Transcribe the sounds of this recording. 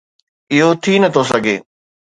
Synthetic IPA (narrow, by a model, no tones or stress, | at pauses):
ɪɦot̪ʰinɐt̪ʰos̬ɐɡʱḛː